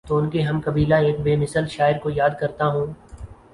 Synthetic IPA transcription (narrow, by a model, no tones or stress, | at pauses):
t̪oʊnkeɦɐmkɐbiːlaeːk̚beːmɪsəlʃaːɪɾkojaːd̪̚kɐɾt̪aɦũː